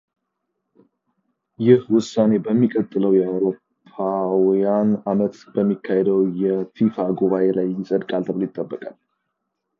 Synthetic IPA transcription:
jɪhwʊsane̞bəmːikʼət̪ʼːɨləwjɛawɾo̞ | pʰːawjanamət̪b̥əmːikʰːahed̪əwjɛfifaɡuβaʔelajːɪsʼəd̪kʼalt̪ʰəβlojɪt̪ʼːəbːəkʼal

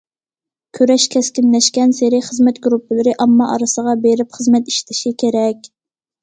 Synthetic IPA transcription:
kʲʰøɾɛʃkʲʰɛskʲinlɛʃkʲɛnseɾɪχəzmɛt̪ɡɾupʰːɪlɪɾɪʔɑmːɑʔɑ̰ɾɨsəʁɑbeɾɪpχəzmɛt̪i̥ʃt̪ʰɪʃikʲʰeɾɛkʲ

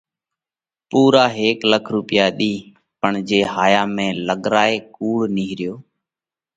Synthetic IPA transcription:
puːɾaːɦeːkləkʰɾuːpɪjaːɗiː | pəɳd͡ʒeːhaːjaːmẽːləɠɾaːeːkuːɽniːɦɾɪjoː

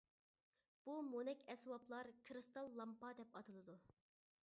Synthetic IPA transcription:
b̥umonɛkʲɛswɑplˠɑɾkʰɾɨst̪ɑlˠːɑmpɑd̪ɛpɑt̪ʰɨlˠɨd̪u

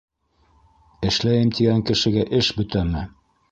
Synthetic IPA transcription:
ɘ̆ʃlæjɘmt̪iɡæŋkɘ̆ʃɘ̆ɡæʔɘʃbɵ̆t̪æmɘ

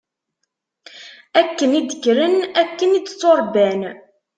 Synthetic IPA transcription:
ækːənid̪əkɾənækːənid̪t͡sːoɾˤbæn

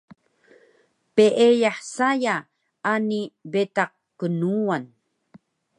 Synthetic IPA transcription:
peʔejaħsaja | anibetaq̚ | kːənuan

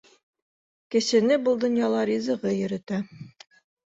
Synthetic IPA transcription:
kɘ̆sɘ̆nɘbɤlˠd̪ŏnjɑlˠɑɾizɤ̆ʁɤjɵ̆ɾɘ̆t̪æ

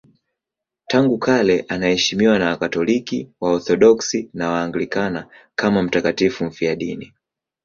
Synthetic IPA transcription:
taŋɡukʰalɛʔanahɛʃimiwanawakatɔlikiwaɔθɔɗɔksinawaːŋɡlikana | kamam̩takatifum̩fiaɗini

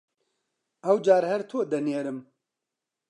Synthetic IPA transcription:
ɛwd͡ʒaːɾhɛɾt̪ʰoːd̪ɐnjeːɾɨm

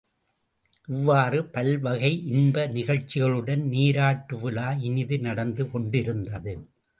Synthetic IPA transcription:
ʔɪʋːaːrɯpɐlʋɐɣɐɪʔɪnbɐnɪɣɐɭt͡ʃːɪɣɐɭɯɽɐnniːɾaːʈːɯʋɯlaːɪnɪðɯnɐɽɐnd̪ɯkɔɳɖɪɾɯnd̪ɐðɯ

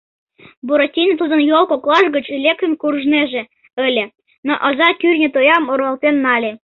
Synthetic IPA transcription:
buɾotʲinʲt̪ud̪ɤ̆njolˠkoklˠɑʃɡə̆t͡ɕelʲek̚t̪ə̆nkurʒneʒĕ | ɘ̆lʲĕ | noʔɑzɑkyrʲnʲĕt̪ojɑmoɾɑ̆lˠt̪enːɑlʲe

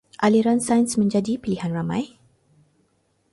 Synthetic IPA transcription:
ʔaliɾansajnsmə̃ɲd͡ʒadipilihanramã̰j

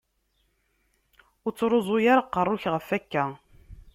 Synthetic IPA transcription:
ʊɾt͡sːɾˤozˤʊjaɾaqːərˤːʊçʁəfækːæ

